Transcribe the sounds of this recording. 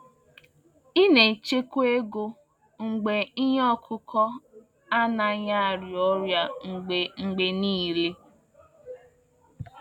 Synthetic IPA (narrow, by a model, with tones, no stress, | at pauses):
i˦ne˨t͡ʃe˦ke˦ɡo˦ | ŋ̩˨ɡ͡be˨i˦ɲ˦ɔ˦kʰʊ˦kʰɔ˦ | a˦na˨ɲa˦a˨ɾjɔ˦ɾja˦ŋ̩˨ɡ͡be˨ŋ͡m̩˨ɡ͡be˨niː˦˨le˦